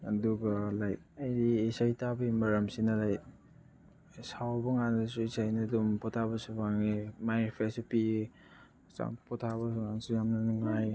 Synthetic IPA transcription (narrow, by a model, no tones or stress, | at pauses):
ɐduɡɐlaj | ajdiːsajtabimɐɾamsinɐlaj | sawbɐŋanɐsuisajnɐdumpɔtʰabɐsubaŋimajɾpʰesupi | sa̰ŋpʰɔtʰaβɐsuŋansujamnɐnuŋaj